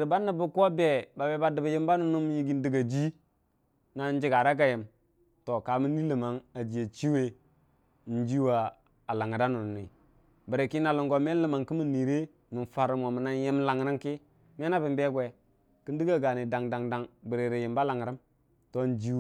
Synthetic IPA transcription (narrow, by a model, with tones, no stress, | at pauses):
ɾba˦nːə˨bu˦ko˦be˨ba˨be˨ba˨də˨ba˨ji˦mba˦nu˨nu˦m˦ji˦ɡi˦n˦di˦ɡa˨d͡ʒi˦ | na˨˦n˦d͡ʒi˦ɡa˨ɾa˦k̬a˦˨je˨m | to˨ka˨mi˦ni˦lə˨ma˨ŋa˨d͡ʒi˨ja˨t͡ʃi˦we˦ | n̩˦d͡ʒi˦wa˨ | a˨la˨ŋa˨da˦nu˨n˨ni˨ | bə˨ɾe˨ki˦na˨lu˨ŋɡo˨me˦lə˦˨ma˨ŋki˦mi˦nːi˨ɾe˦ | nu˨n˨fa˨ɾu˨mo˨mə˨na˦nje˦mla˨ŋ˨ɾi˦mki˦ | me˦na˦bi˨mbe˦ɡwe˨ | ki˦n˦di˦ɡa˦ɡa˨ni˨da˨ŋda˨ŋda˨ŋbi˨ɾe˨ɾi˨ji˨mba˦la˨ŋ˨ɾi˦m | to˦n˨d͡ʒi˦